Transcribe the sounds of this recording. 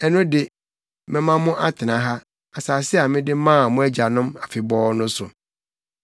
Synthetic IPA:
ɛ˦nʊ̃˦dɪ˨ | mɪ̃˦mã˦mʊ̃˦ʔa˦tʰɪ˨nã˨ɦa˦ | a˨saː˨sɪ˦a˨mɪ̃˦dɪ˦mãː˦˨mʊ̃˦æ˦d͡ʑa˨nʊ̃˦ma˨fɪ˨bɔ˦nʊ̃˦sʊ˨

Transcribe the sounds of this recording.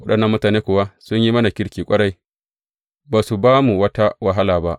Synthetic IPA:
wɐ˦ɗɐ˨nːɐ˦mːʊ˦taː˨neː˦kʷʊː˨wa˦sʊ˦ɲji˦mɐ˦na˨kʲɪ˦ɽkʲiː˨kʷʼɐ˦ɽa˦j | baː˨su˨baː˦mu˨wɐ˦ta˦wa˨ɦa˦laː˨ba˦ʔ

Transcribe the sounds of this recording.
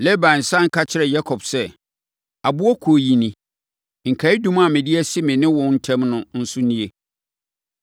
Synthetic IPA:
lɛ˦bã˨n̩˨sã˦ŋ̩˦kʰa˦t͡ɕʰɪ˦ɾɛ˨ja˦kʰɔ˨bsɛ˦ | a˨bʊ˦ɔ˦kʰo˨ji˨nĩ˨ | ŋ̩˨kʰa˨˦i˦dũ˦ma˨mɪ̃˨dɪ˦ɛ˦sɪ˦mɪ̃˨nɪ̃˦wɔ̃˨˦n̩˦tʰɛ̃˦mnʊ̃˦n̩˦sʊ˦nĩ˦e˦

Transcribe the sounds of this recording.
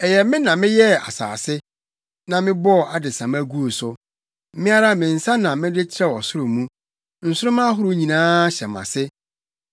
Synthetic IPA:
ɛ˨jɛ˨mɪ̃˦nã˨mɪ̃˦jɛ˦˨a̰˨sa̰ː˨sɪ˦ | nã˨mɪ̃˦bɔ˦˨a˨dɪ˨sã˨mæ˦ɡu˦o˨sʊ˦ | m̩˦mɪ̃˦a˦ɾa˦mɪ̃˨n̩˨sã˦nã˨mɪ̃˦dɪ˦t͡ɕʰɪ˦ɾɛ˦˨ɔ˨sʊ˦ɾʊ̃˨mũ˦ | n̩˨sʊ˦ɾʊ̃˦mã˦ɦʊ˦ɾʊ˦ɲĩ˨nãː˦ɕɛ˨mã̰˨sɪ˦

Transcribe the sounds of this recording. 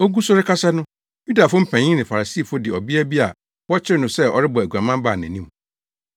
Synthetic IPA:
o˦ɡu˦sʊ˦ɾɪ˦kʰa˦sa˦nʊ̃˦ | ju˦da˨fʊ˦m̩˦pʰæ̃˨ɲĩ˦nɪ̃˨fa˨a˨si˦˨fʊ˦dɪ˨ɔ˨bi˦æ˦bi˦a̰˨ | wɔ˦t͡ɕʰɪ˦ɾɪ˦nʊ̃˨sɛ˦ɔ̰˨ɾɪ˦bɔ˨æ˨ɡʷã˨mã˦m˦baː˦˨næ̰̃˨nĩ˦m

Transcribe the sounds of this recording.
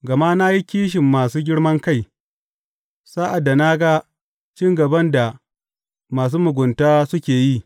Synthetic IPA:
ɡɐ˨ma˦na˦ji˦kʲiː˦ʃ̬ɪ˨mːaː˨suː˦ɡʲɪ˦ɽmɐ˦ŋka˦˨j | saː˦ʔa˨dːa˨na˦ɡa˦ | t͡ʃɪ˦ŋɡɐ˨bɐ˦nda˨ | maː˨s̬uː˦mʊ˨ɡʷʊ˨ntaː˦sʊ˦kʲeː˨ji˦

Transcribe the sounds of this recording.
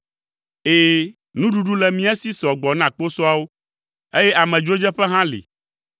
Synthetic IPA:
eː˨ | nũ˦ɖu˦ɖu˦lɛ˨mĩ˦ɛ˦si˦sɔ˨ɡ͡bɔ˨nã˦˨k͡po˦sɔ˦a˦wo˦ | e˦jɛ˦ʔa˨mɛ̃˨d͡ʒo˦d͡ʒɛ˦ɸɛ˦ɦã˦lḭ˨

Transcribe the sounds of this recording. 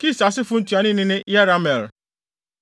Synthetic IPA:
ki˦˨sa˨sɪ˦fʊ˦n̩˦tu˨a˨˦ni˦ni˦ne˦ja˦ɾa˦me˨ɾ

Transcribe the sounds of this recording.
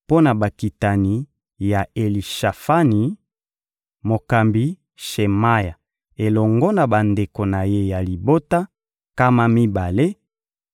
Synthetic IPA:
po˦na˨ba˨ki˨ta˨ni˨˦ | ja˨e˨li˨ʃa˨fa˦ni˨ | mo˨ka˨mbi˦ | ʃe˨ma˦ja˨ | e˨lɔ˨ŋɡɔ˦na˨ba˨nde˨ko˨na˨je˦ja˨li˨bo˦ta˦ | ka˦ma˦mi˦ba˨le˦

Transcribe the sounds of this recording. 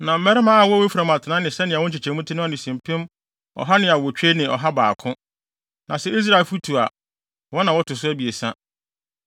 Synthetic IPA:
nã˨m̩˦mɛ˦ɾɛ˦mã˦a˨wɔ˦we˦fu˨ɾa˨m˨ã˨tʰɪ˨nã˦nɪ̃˨sɛ˦nɪ̃˨wʊ̃˦t͡ɕʰɪ˨t͡ɕʰɛ̃˨mʊ̃˦tʰɪ˦nʊ̃˦a˦˨nɪ̃˨sĩ˨m˨pʰɪ̃˦m | ɔ̰˨ɦa˦nɪ̃˨a˨wɔ˨t͡ɕᶣe˦nɪ̃˨ɔ̰˨ɦa˦ba̰ː˨kʰʊ̃˦ | nã˨sɛ˦i˦s̬ɾa˦˨e˨lfu˦tʰu˨a̰˨ | wɔ˦nã˨wɔ˦tʰʊ˨s̬ʊ˦æ˦bi˨e˨sã˦

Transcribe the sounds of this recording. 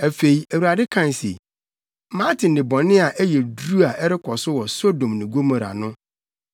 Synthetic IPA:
æ˨fe˨i˨æ˨wu˨ɾa˨dɪ˦kʰã˦˨n˨sḛ˨ | mã˦tʰɪ̃˨n˨dɪ̃˨bɔ̃˨nɪ̃˦a˨ʔæ˦jɛ˨du˦a˨ɛ˦ɾɪ˦kʰɔ˨sʊ˦wɔ˨so˦dõ˨mnɪ̃˨ɡo˦mã˨ɾa̰˨nʊ̃˦

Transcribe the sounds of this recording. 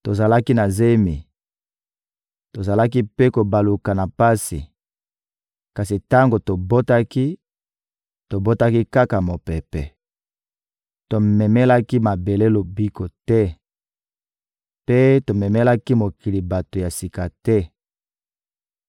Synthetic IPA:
to˨za˨la˦ki˦na˨ze˦mi˨ | to˨za˨la˦ki˦pe˦ko˨ba˨lu˨ka˨na˨pa˦sḭ˨ | ka˨si˨ta˦ŋɡo˨to˨bo˦ta˦ki˦ | to˨bo˦ta˦ki˦ka˦ka˨mo˨pɛ˨pɛ˨ | to˨mɛ˨mɛ˦la˦ki˦ma˨be˨le˦lo˨bi˦ko˨tɛ˦ | pe˦to˨mɛ˨mɛ˦la˦ki˦mo˨ki˨li˨ba˨to˨ja˨si˨ka˨tɛ˦

